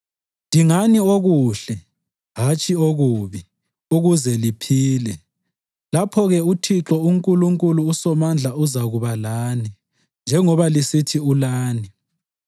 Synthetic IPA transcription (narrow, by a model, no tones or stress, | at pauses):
ndʱiŋanioɣuɬɛ | ɦat͡ʃʰʼioɣuβi | uɣuzɛlipʰiːlɛ | lapʰɔɣɛutʰiǁɔuŋkʼuluŋkʼuluːsɔmand͡ɮʱauzaɣuβalaːni | nd͡ʒʱɛŋɔβalisitʰiulaːni